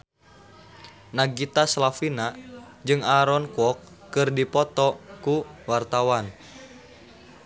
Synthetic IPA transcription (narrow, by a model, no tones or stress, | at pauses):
naɡit̪aslafina | d͡ʒɨŋaɾɔnkɔkː | ɨrdipɔt̪ɔkuwart̪awan